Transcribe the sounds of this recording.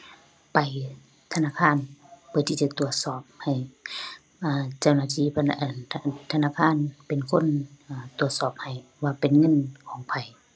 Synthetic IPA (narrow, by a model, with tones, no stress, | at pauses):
pa˨j | t̪ʰa˧naː˧˥˨kʰaː˧˥˨npʰɯ˧˨t̪ʰiː˧˩t͡ɕa˧˩t̪u˨˩ət̪̚sɔː˧˩p̚ha˨˩j | ʔaː˧˩t͡ɕa˧˩˨wnaː˧˩t̪ʰiː˧˩pʔʰt̪ʰa˧naː˧˥˨kʰaː˧˥˨npe˨nkʰo˧˥˨nʔaː˧˩t̪u˨˩ət̪̚sɔː˧˩p̚ha˨˩j | waː˧pe˨nŋɤ˧˥˨nkʰɔː˨˦ŋpʰa˨˩j